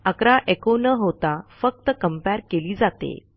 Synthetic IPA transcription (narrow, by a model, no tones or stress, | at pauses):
əkɾaʔekonəɦot̪afək̚t̪əkəmpɛɾkeliːd͡zat̪ḛ